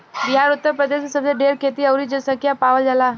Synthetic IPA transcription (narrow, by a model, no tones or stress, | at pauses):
biɦaɾʊt̪ːəɾpɾəd̪esesəbseɖeɾkʰet̪iəwɾid͡ʒəsəkʰjapaʋəld͡ʒala